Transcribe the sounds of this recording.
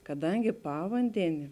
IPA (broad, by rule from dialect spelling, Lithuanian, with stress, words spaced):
kɐˈdɐŋʲɡʲɪ ˈpɑːʋɐnʲdʲɛnʲɪ